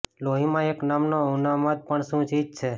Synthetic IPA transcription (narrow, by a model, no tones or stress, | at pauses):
loɦimãeknamnounamad̪̚pəɳsũt͡ʃit̚t͡ʃʰe